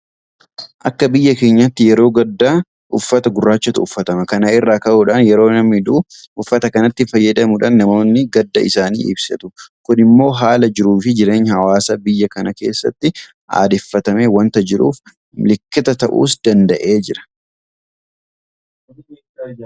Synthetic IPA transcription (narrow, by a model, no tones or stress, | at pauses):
ʔɐkːɐbɪjːɐke̞ːɲːɐt̪ːɪjɛɾo̞ːɡɐd̪ːaː | ʊfːɐt̪ɐɡʊrːaːt͡ʃːɐt̪ʊʊfːɐt̪ɐmɐkɐnɐʔɪrːaːkɐʔuːᶑɐnjɛɾo̞ːnɐmːɪd̪uːʔʊfːɐt̪ɐkɐnɐt̪ːɪfɐjːɐd̪ɐmʊᶑɐnːɐmo̞ːnːɪɡɐd̪ːɐ̰ʔɪsaːnḭːʔɪ̰bsɐ̰t̪ʊkʊnɪmːo̞ːɦaːlɐd͡ʒɪɾuːfɪd͡ʒɪɾe̞ːɲːhɐwaːsɐbɪjːɐkɐnɐke̞ːsːɐ̰t̪ːɪ | ʔa̰ːd̪ɛfːɐt̪ɐme̞ːwɐnt̪ɐd͡ʒɪɾṵːf | mɪlɪkːɪt̪ɐt̪ɐʔṵːsd̪̥ɐnd̪ɐʔe̞ːd͡ʒɪɾɐ̥